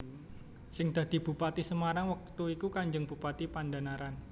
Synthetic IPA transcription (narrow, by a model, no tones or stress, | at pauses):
sɪŋd̪̥a̤d̪̥i̤b̥ṳpat̪isəmaɾaŋwak̚t̪uikukaɲd͡ʒəŋb̥ṳpat̪ipandanaɾan